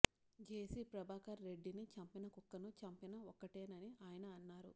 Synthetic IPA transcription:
d͡ʒeːsipɾɐbʱaːkɐːe̞ɖːinit͡ʃɐmpinɐkukːɐnut͡ʃɐmpinɐɔkːɐʈeːnɐniaːjɐnɐːnːaːɾu

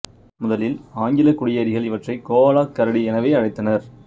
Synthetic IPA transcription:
mʊðɐlɪlaːŋɡɪlɐkʊɽɪjɐɾɪɣɐɭɪʋɐʈrɐɪkoːlaːkːɐɾɐɽiɛnɐʋeːɐɻɐɪt̪ːɐnɐɾ

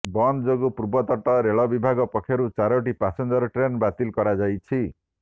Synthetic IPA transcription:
bɔnd͡ʒoɡupuɾbɔt̪ɔʈɔɾeɭɔbibʱaɡɔpɔkʰːjɔɾut͡ʃaɾɔʈipasɔnd͡ʒɔɾɔʈɾenbat̪ilkɔɾad͡ʒajt͡ʃʰi

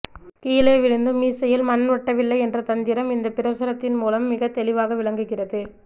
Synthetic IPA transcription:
kiːleːʋɪɻɯnd̪ɯmːiːsɐjɪlmɐnʋɐʈːɐʋɪlːɐɪɛndrɐt̪ɐnd̪ɪɾɐmɪnd̪ɐpɪɾɐsɐɾɐt̪ːɪnmuːlɐmːɪɣɐt̪ɛlɪʋaːɣɐʋɪɭɐŋɡɯɣɪrɐðɯ

